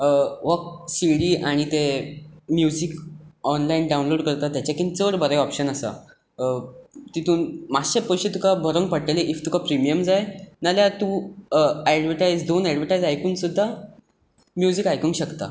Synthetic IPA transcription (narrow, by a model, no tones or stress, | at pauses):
ʋək̚siɽiaɽ̃it̪emjud͡zikɔnlainɖawũnloɽkəɾt̪at̪jat͡ɕakint͡səɽbʱəɾəjɔpɕənasa̰ | t̪it̪ʰuːnmaɕepəɕit̪ukabʱəɾəŋɡ̚pəɽʈ̪eleʔift̪ukapɾimijəmd͡zajnaljat̪u | ɛɽʋəʈajd͡zd̪onɛɽʋəʈajd͡zajkuːnsud̪ʱːa | mjud͡zikajkə̃ŋkɕəkt̪a̰